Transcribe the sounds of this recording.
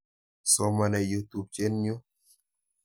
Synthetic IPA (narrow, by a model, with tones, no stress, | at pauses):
sɔ˦ma˨nɛ˨ju˦t̪u˨b̚t͡ʃɛ˦nːiu˦